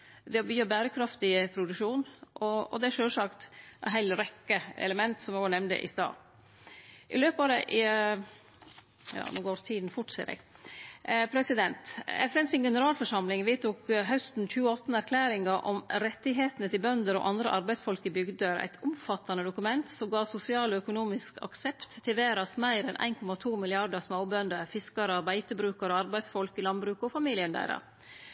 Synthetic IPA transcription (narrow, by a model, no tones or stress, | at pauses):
d̪ɛbyːbæːɾəkʰɾɑft̪ɪpʰɾʊd̪ʉʂuːnʔɔɔ̰d̪ɛæʂøːlsɑkt̪ɛɦæɪlɾɛkːəɛ̰ləmɛnt̪sɔmɛɡɔnɛmnd̪ə̰ʔɪ̰st̪ɑ̰ː | ʔɪ̰løːpɑd̪ɛʔ | jɑ̰ːnuːɡoːɾt̪ʰiːd̪n̩fʊʈsɛ̰ɾɛ̰ɡ | pʰɾɛsɪd̪ɛnt̪ɛfɛnsɪŋɡɛnəɾɑːlfɔʂɑmlɪŋʋeːt̪ʰuːkɦœst̪n̩çʉːəɔt̪ːn̩æɾkʰlæːɾɪŋɑɾʔɔ̰mɾɛt̪ːɪɦeːt̪ənət̪ɪlbœnd̪əɾɔ̰ʔɑnd̪ɾə̰ʔɑɾbæɪsfɔlkəbʏɡd̪əɾæ̰ɪt̪ʰʊmfɑt̪ʰːɑnəd̪ʊkʉmɛnt̪sɔmɡɑːsʊsɪɑːlɔœkʊnuːmɪskʰɑ̰ksɛpt̪ʰːɪʋeːɾɑsmæɪɾɛnʔæ̰ɪnkʰɔmɑt̪ʰuːmɪlɪɑɖəɾsmaʊbœnd̪əɾfɪskɑɾəɑɾbæɪt̪əbɾʉːkɑɾəɑɾbæɪsfɔlkɪlɑnbɾʉːkɔfɑmiːlɪənd̪æ̰ɪɾɑ̰ɾ